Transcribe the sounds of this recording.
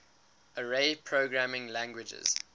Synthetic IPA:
əɹeɪpʰɹoɡɹæmɪ̃ŋlæ̃ŋɡwɪd͡ʒə̰z̥

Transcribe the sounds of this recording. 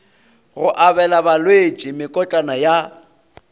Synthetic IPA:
ɣʊʔabɛlabalwet͡ʃʼimɪkʼɔt͡ɬʼanaja

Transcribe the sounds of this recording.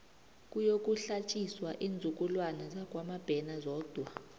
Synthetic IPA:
k̬ʼujok̬ʼuɬat͡ʃʼiswaʔiːnd͡zʱuk̬ʼulwanazak̬ʼwamab̥ʱɛnazɔːd̥ʱwa

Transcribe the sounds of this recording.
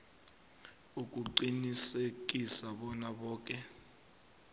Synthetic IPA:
uk̬ʼuǃinisek̬ʼisaɓɔnaɓɔːk̬ʼɛ

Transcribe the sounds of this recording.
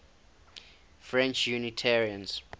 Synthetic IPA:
fɹɛ̃nt͡ʃjunitʰɛɹiə̃ns

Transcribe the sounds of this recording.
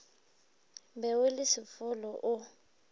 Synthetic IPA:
bɛwɪlɪsɪfʊlɔʔʊ

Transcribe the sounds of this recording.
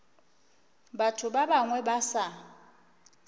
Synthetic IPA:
batʰʊbabaŋwɛbasa

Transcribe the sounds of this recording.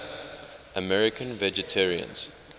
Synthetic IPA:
ʔəmɛɹɪkʰə̃nvɛd͡ʒɛtʰɛɹiə̰̃nz̥

